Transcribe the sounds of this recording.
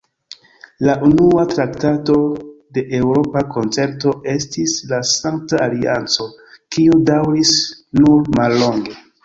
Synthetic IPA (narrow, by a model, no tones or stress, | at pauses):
laʔunuatɾaktato̞de̞ʔewɾo̞pako̞nt͡se̞ɾto̞ʔe̞stislasaŋk̚taːlia̰nt͡so̞kiudawɾisnuɾmalːo̞ŋɡe̞